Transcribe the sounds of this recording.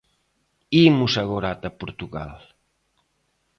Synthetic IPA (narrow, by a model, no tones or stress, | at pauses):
imusaɣoɾat̪apuɾt̪uɣa̰l